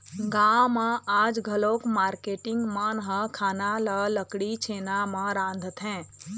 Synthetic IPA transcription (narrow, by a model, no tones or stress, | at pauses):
ɡãːwmãaːd͡ʒɡʱəloːkmaːɾkeːʈɪ̃ŋɡmanɦə̃kʰaːnalələkɽit͡ʃʰeːnamãɾãːnd̪ʱət̪ʰɦɛ̃ː